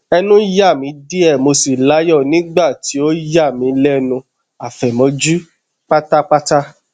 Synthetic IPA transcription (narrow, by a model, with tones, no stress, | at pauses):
ɛ˧nũ˦ja˦˨mĩ˨˦di˦ɛ˦˨mo˧si˨la˨˦jɔ˦˨nĩ˦ɡ͡ba˦˨ti˨˦o˦ja˦˨mĩ˨˧˦lɛ˦nũ˧ | a˨fɛ˨mɔ̃˧d͡ʒu˦ | k͡pa˦ta˦k͡pa˦ta˦